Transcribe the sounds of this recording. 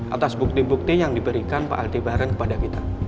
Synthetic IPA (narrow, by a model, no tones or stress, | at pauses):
ʔa̰t̪asbuk̚t̪ibuk̚t̪ijaŋdibəɾikanpa̰ʔa̰lt̪ebaɾankə̥padakit̪a